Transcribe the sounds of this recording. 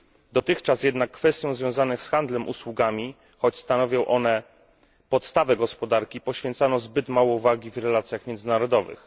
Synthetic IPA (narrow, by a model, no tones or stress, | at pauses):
d̪ɔt̪ɘxt͡ʂasjɛd̪nakːfɛst̪ʲjɔ̃w̃zvʲjɔ̃w̃zanɘxsxand̪lɛmʔṵswuɡamʲi | xɔt͡ɕst̪anɔvʲjɔ̃w̃ʔɔnɛ | pɔt̪st̪avɛɡɔspɔd̪aɾkʲipɔɕfʲjɛnt̪sanɔ̃wzbɘt̪mawɔuvaɡʲivɾɛlat̪sʲjaxmjɛnd̪zɘnaɾɔd̪ɔvɘ̰x